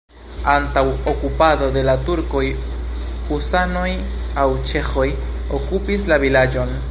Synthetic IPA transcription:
antawokupado̞de̞latuɾko̞j | husano̞jawt͡ʃe̞xo̞j | okupislavilad͡ʒo̞n

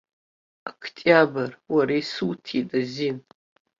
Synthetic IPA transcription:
akʰtʼjabarwaɾajsɨwtʰitʼazin

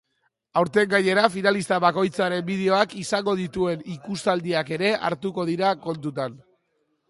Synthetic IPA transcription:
awɾt̪e̞ŋɡaɲe̞ɾafinalist̪aβako̞jt͡saɾe̞mbið̞eo̞akisaŋɡo̞ð̞it̪ue̞nikust̪ald̪iake̞ɾe̞ʔa̰ɾt̪uko̞ð̞iɾako̞nt̪ut̪an

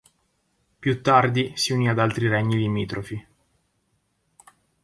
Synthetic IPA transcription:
pjut̪ːard̪isiuniad̪alt̪ɾiɾɛɲːilimiːt̪ɾʔofi

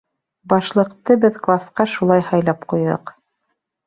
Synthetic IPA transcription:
bɑʃlˠɤ̆qt̪ɤbɘðklˠasqɑʃulˠɑjhɑjlˠɑpqujðɤ̰q

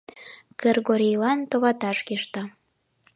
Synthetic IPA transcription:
kerɡoɾʲijlɑnt̪oβɑt̪ɑʃkeʃt̪ɑ

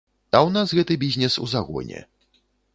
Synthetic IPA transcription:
awnasɣɛt̪ɨbʲizʲnʲɛsṵzaɣɔ̰ɲʲɛ̰

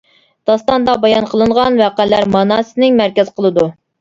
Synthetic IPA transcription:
d̪̥ɑst̪ɑnd̪ɑbɑjɑnqʰəlˠɨɴʁɑnwæqælːæɾmɑnɑsɨnɪŋmæɾkʲɛzqʰəlˠɨd̪u

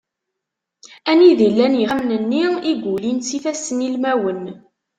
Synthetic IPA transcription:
æniðilːænjəʁmnənːiiɡʷulinsifæsənilmæwən

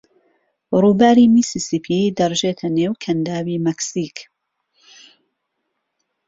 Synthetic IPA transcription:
ruːbaːɾimisisipʰid̪ɐrʒeːt̪ʰɐnewkʰɐnd̪aːwimɛksiːk

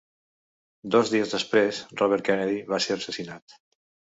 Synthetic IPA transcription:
d̪ɔzðiəzðəspɾezrɔβɛɾ̚kɛnɛðiβaseɾəsəsinat̪

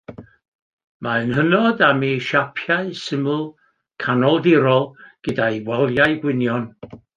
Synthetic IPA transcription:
maɨnhənɔdamiʃapʰjaɨsɪməlˠ | kʰanɔlˠdɪɾɔlˠɡ̥ədaiwɛlˠjaɨɡwɪnjɔn

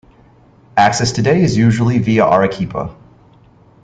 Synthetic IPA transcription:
æksɛstʰɨdeɪɨzjʉʒl̩ˠiviəʔɑɹɨkʰipʰə̰

